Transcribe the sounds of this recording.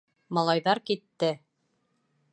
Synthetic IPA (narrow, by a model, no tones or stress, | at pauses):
mɑlˠɑjðɑɾkit̪ːɘ